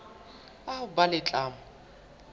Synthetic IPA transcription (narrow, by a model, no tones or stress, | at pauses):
aʊbalɪt͡ɬʼaːmʊ